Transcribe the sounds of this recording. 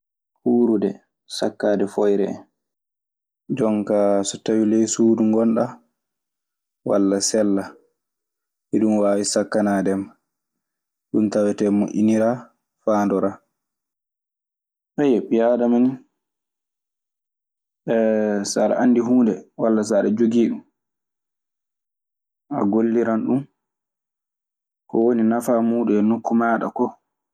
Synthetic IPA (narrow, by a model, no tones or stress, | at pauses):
huːɾudɛ | sakːaːdɛfɔjɾɛ̰ | d͡ʒɔŋkasɔtawilɛjsuːduŋɡɔnɗa | wa̰lːasɛlːa | ʔiɗunwaːwisakːanaːdɛm | ɗuntawɛtɛmoʔʲḭniɾa | faːndɔɾa | hɛjɛpijadamani | ɛsaːɗa̰ʔandiɦuːndɛwalːas̬aɗad͡ʒoɡiːɗum | a̰ɡolːiɾanɗum | kɔwoninafamuːɗuɛnokːumaːɗa̰kɔ